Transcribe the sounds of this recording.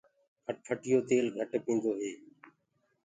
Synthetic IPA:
kʰəʈpʰəʈɪjoːt̪eːlɡʱəʈpĩːnd̪oːɦeː

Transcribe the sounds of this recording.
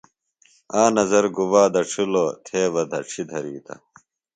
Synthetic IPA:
aːnɐzɐɾɡuwaːd̪ɐʈ͡ʂʰuloːt̪ʰeːʋɐd̪ʱɐʈ͡ʂʰid̪ʱɐɾiːt̪ɐ̰

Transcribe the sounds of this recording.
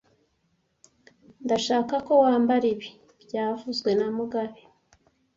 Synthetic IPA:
ndaʃaːkako̞waːmbaɾiβi | bɟaːvuzɡwe̞namuɡaβi

